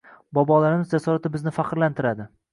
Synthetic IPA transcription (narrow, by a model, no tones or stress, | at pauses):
bɒbɒlˠaɾɪmɪzd͡ʒasɒɾat̪ɪbɪznɪfaqɾlant̪ʰɪɾad̪ɪ